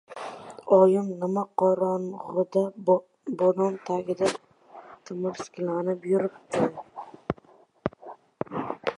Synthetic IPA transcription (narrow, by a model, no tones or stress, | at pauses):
ɒjɪmnɪmaqʰɒɾɑnʁʊd̪a | bonɒmt̪ʰaɡʲɪd̪a | t̪ʰɪmɪɾsɪ̥kʲlanɪpjʊɾɪp̚t̪ʰɪ